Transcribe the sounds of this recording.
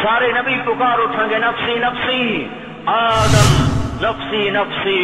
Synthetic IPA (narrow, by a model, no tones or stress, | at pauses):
saːɾenɐbiːʈʊkaːɾoːt̪ʰɐ̃ːŋɡenɐfsiːnɐfsĩ | aːd̪ɐmnɐfsiːnɐfsi